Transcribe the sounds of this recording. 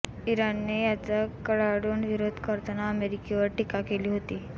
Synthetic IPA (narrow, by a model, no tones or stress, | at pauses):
iɾanːejat͡sakəɭaɽuːɳʋiɾod̪ʱkəɾt̪ənaəmeɾikeʋəɾʈikakeliːɦot̪iː